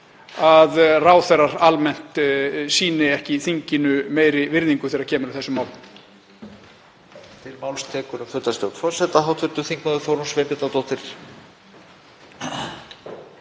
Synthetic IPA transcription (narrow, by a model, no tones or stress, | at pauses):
aðraːwθɛrːaɾalmɛn̥t̪siːnɪɛhcɪθiɲcɪnʏmeːjɾɪvɪɾðiŋkʏ̥θɛːɾacʰɛːmʏɾʏθɛsːʏmaːwl | t̪ʰɪlmaːwlst̪ʰɛːkʏɾʏmfʏt̪ast̪jowt̪fɔr̥sɛt̪aɦawt̪ʰʏɾt̪ʏθiŋknaðʏfowɾunsvepɛt̪at̪owht̪ɪɾ̥